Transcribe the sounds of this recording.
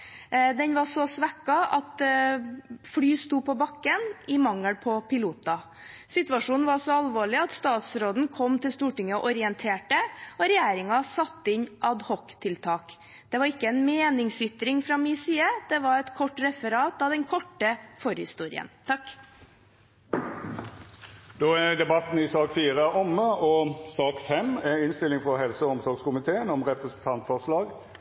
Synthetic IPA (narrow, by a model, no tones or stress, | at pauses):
d̪ɛnʋɑʂɔsʋɛkːɑɑt̪ | fɽyːst̪uːpʰɔbɑkːənʔɪmɑŋːəɽpʰɔpɪluːt̪ɑ | sɪt̪ʉɑʂuːnn̩ʋɑɾsɔɑlʋoːɭɪɑt̪st̪ɑːt̪sɾoːd̪n̩kʰɔmt̪ɪlst̪uːʈɪŋːəɔʔɔɾɪənt̪ʰeːʈəɔɾɛjeːɾɪŋɑsɑt̪ːəɪɲʔɑd̪hɔkt̪ʰɪlt̪ʰɑːk | d̪̥ɛʋɑɾɪkːəɛnmeːnɪŋsʏt̪ɾɪŋfɾɑmiːsiːəd̪̥ɛʋɑɾɛt̪kʰɔʈɾɛfəɾɑːt̪ɑʋd̪ɛnkʰɔʈːəfɔɾhɪst̪uːɾɪ̰ə̰nt̪ʰɑkː | d̪oːæd̪ɛbɑt̪n̩ɪsɑːkfiːʁəʔɔmːəɔsɑːkfɛmɛɪnst̪ɪlɪŋfʁɔɦɛlsəɔmsɔɾɡskʊmɪt̪ʰeːənɔmʁɛpʁəsn̩t̪ʰɑnt̪fɔʁslɑːɡ